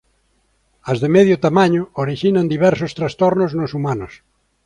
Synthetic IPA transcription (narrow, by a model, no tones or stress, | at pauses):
ɐzðemɛðjʊt̪amãɲʊoɾiʃinand̪iβɛɾsost̪ɾast̪ɔɾnoznʊsumanʊs